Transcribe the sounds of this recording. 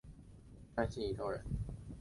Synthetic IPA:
a˥nɕi˥˩i˧˩ʈ͡ʂʰo˥ʊɻə̰˧˥n

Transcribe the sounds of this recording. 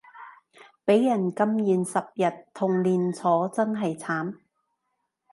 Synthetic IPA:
pe˨˥jːɐ˨˩nkɐ˥mjiː˨nsɐ˨p̚jɐ˨t̚t̪ʰːʊ˨˩ŋliː˨nt͡sʰɔː˨˥t͡sɐ˥nɦɐ˨jt͡sʰaː˨˥m

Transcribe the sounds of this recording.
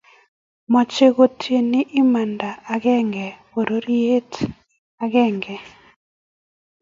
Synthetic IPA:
mɔ˨t͡ʃe˦ɣo˨tʰje˨ni˦ʔɪ˦ma˨nda˨ʔa˨ɡɛ˦ŋɡɛ˨po˨ɾo˦ɾi˦e˦t | a˨ɡɛ˦˨ŋɡɛ˨

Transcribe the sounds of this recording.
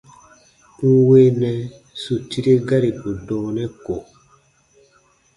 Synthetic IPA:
pu˦we˦nɛ˨ | su˨ti˦ɾe˦ɡa˦ɾi˨pu˨dɔ̃ː˨nɛ˦ko˨

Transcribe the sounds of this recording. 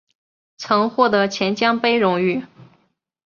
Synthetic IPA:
t͡sʰɤ˧˥ŋxwɔ˥˩t̪ɤ˧˥t͡ɕʰjɛ˧˥nt͡ɕjɑ˥ŋpe˥ɪɻʊ˧˥ŋy˥˩

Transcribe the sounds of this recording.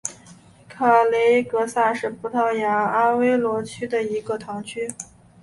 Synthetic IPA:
kʰa˨˩le˧˥ɪkɤ˧˥sa˥˧ʂɻ̩˥˩pʰu˧˥t̪ʰɑ˥˩ʊja˧˥a˥we˥ɪlwɔ˧˥t͡ɕʰy˥d̪ə˨i˧˥ɡə˧t̪ʰɑ˧˥ŋt͡ɕʰy˥

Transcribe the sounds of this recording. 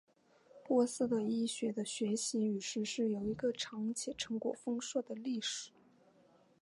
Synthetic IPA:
pwɔ˥sɹ̩˥˩d̪ə˨˩i˥ɕɥɛ˧˥d̪ə˧ɕɥɛ˧˥ɕi˧˥y˨˩ʂɻ̩˥ʂɻ̩˥˩jo˨˩ʊi˧˥ɡə˧ʈ͡ʂʰɑ˧˥ŋt͡ɕʰjɛ˨˩ʈ͡ʂʰɤ˧˥ŋkwɔ̰˨˩fɤ˥ŋʂwɤ˥˩d̪ə˩li˥˩ʂɻ̩˨˩˦

